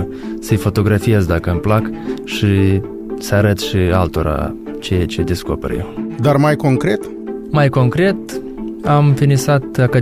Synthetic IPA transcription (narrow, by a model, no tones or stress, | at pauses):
səjfo̞t̪o̞ɡɾafije̞zd̪akəɨmplakʃi | səaɾət̪ʃialt̪o̞ɾa̰ | t͡ʃejat͡ʃe̞d̪e̞sko̞perjḛwd̪armajko̞ŋkɾe̞t̪ | majko̞ŋkɾe̞t̪ | amfinisat̪akə